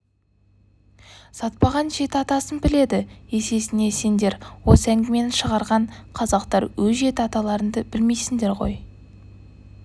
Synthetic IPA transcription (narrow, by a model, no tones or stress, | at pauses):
sɑt̪̚pɑʁɑnʒe̞t̪ɪɑt̪ɑsənbɪle̞d̪ɪe̞se̞sɪne̞se̞nd̪e̞ɾwo̞səæŋɡʲɪme̞nɪʃəʁɑɾʁɑɴqʰɑzɑqt̪ɑɾwɵzʒe̞t̪ɑt̪ɑlˠɑɾənd̪əbɪlme̞jsɪŋd̪e̞ɾʁo̞̰j